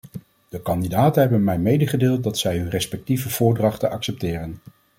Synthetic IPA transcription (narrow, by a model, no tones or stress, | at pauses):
d̥əkɑndidaːtənɦɛbənmɛjmejdəχədeːlˠt̚dɑtsɛjɦønrɛspɛk̚tivəv̥ʊːɹdrɑχtənʔɑksɛp̚tɪːrən